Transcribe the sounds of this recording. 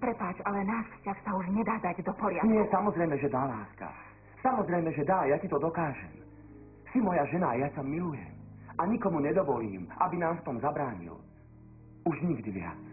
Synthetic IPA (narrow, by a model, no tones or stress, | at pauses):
pɾɛpaːt͡ʃalɛnaːʃfscaxsauʒɲɛd̪aːd̪aɟd̪ɔpɔɾɪaɲɪɛsamɔzɾɛjmɛʒɛd̪alaːska̰ | samɔzɾɛjmɛʒɛd̪ajacit̪ɔd̪ɔkaːʒɛ̰m | simɔjaʒɛnaːjasamilujɛ̰m | ʔaɲikɔmuɲɛd̪ɔʋɔliːmʔa̰binaːmft̪ɔmzabɾaːɲḭl | uʒɲiɡd̪iʋɪa̰